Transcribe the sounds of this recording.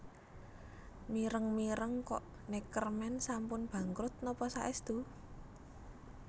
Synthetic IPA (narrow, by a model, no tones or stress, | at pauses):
miɾəŋmiɾəŋkɔʔ | nekərmɛnsampʊnb̥ä̤ŋkɾʊt̪̚nɔpɔsaʔɛsd̪̥ṳ